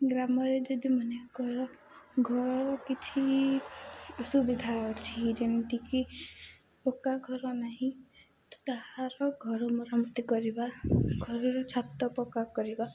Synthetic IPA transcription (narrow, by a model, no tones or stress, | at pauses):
ɡɾamɔɾed͡ʒɔd̪imɔnekɔɾɔ | ɡʱɔɾɔɾɔkit͡ʃʰi | ɔsubid̪ʱaɔt͡ʃʰid͡ʒɔnit̪iki | pɔkaɡʱɔɾɔnaɦĩ | t̪ɔ̥t̪aɦãɾɔɡʱɔɾɔmɔɾamɔt̪ikɔɾibaɡʱɔɾɔɾɔt͡ʃʰat̪ɔpɔkakɔɾiba